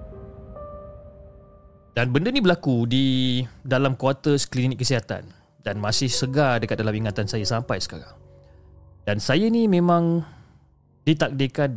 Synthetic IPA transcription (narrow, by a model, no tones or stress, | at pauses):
danbəndənĩbəlakudidalamkuat̪əsklinɪkːəsiɦat̪a̰n | danmasɪhsəɡadəkat̪̚dalamiŋat̪ansajasampajsə̥kaɾa̰ŋ | dansajanĩmẽmãŋ | dit̪ak̚dekan